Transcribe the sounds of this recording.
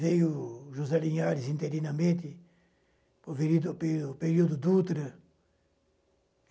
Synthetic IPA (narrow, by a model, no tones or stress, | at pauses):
vejʊʒuzɛlĩɲaɾɪzĩnt̪eɾinɐmẽnt̪ɪ | poveɾid̪pepeɾiud̪ʊd̪ut̪ɾɐ